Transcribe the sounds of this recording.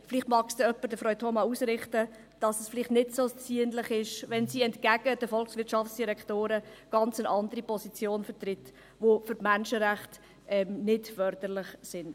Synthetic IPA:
fɪlɪχtmɑːksd̥̪ɛœpːəɾdəfʁœʏtʰomɑusɾɪχtə | d̥ɑsəsfɪlɪχtnɪtsoːt͡siənlɪχɪʃʋɛnsiːɛntkæɡ̥əd̥əfɔlksʋɪɾtʃɑft͡sd̥iɾɛktoːɾəɡ̥ɑnt͡sənʔɑndəɾipʰɔsit͡sjoːnfəɾtrɪt | ʋofʏɾmænʃəɾæχt | ɛmnɪtfœɾd̥əɾlɪχsɪn

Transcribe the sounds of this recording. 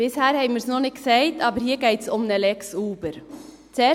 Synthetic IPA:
ʋɪshæːɾhæɪməɾsnoːnɪkːsæɪt̪ʰɑːbəɾhiːɾɡæɪt̪sɔmnɛlɛksuːbəɾ | t̪ɛ

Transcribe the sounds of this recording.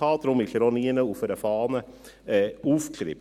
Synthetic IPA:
ɑːt̪ɾʊmɪɬəɾʊniːənəufəɾɛfɑːnə | ufk̪ʰɾɪ̰p

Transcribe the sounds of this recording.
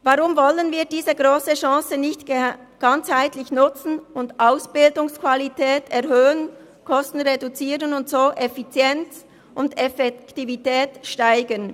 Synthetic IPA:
vaʁʊmvɔlənviːɐdiːzəɡʁoːsəʃɑ̃ːsənɪçtɡ̥ant͡shaɪtlɪçnʊt͡sn̩ʊndʔaʊsb̥ɪldʊŋskv̥alitʰɛːtʰɛʁhøːən | kʰɔstn̩ʁedut͡siːʁənʊntsoːʔɛfit͡sjɛnt͡s | ʔʊndɛfɛktivitɛːtʃtaɪɡən

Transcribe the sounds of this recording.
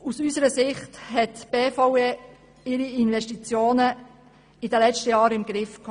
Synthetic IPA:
usysəɾəsɪχthɛtb̥eːfɔʊe | ɪɾiinʋɛʃtit͡sjoːnə | ɪd̥əlɛt͡ʃtəjɑːɾɪmɡɾɪfk

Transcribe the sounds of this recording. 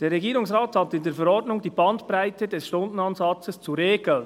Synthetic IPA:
d̥eːɾːɛɡiːɾʊŋsʁaːthɑtɪndeːɾfɛɾɔɾdnʊŋdiːbɑndpɾaɪtədɛsʃtʊndn̩ɑnzɑt͡səst͡suɾeːɡl̩n

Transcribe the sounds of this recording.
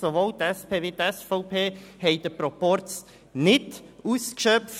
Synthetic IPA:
soʋolt̪ɛspʰeːʋit̪ɛsfɔʊpʰeːhɛɪd̥̪əpɾɔpɔɾt͡s | nɪduːskʃœp̚

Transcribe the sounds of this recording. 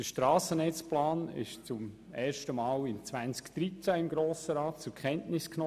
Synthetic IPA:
əʃtɾɑːsənɛt͡splɑːnɪ̰ʃt͡sʊm | ɛːɾʃtəmɑːlɪnt͡svænt͡skd̥ɾit͡sæɪmɡɾoːsəɾɑːt̚t͡sʊɾkχɛntnɪsknɔ

